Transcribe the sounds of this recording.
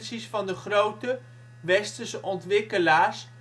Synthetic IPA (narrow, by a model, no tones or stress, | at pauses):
sisfɑndəχrowtə | ʋɛstəsɔntʋɪkəlaːɹs